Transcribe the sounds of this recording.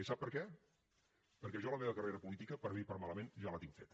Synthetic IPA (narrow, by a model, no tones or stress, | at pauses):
isap̚pəɾkɛ | pəɾkɛʒɔləmeβəkəreɾəpulit̪ikəpəɾβipəɾmaləmenʒalət̪iŋfet̪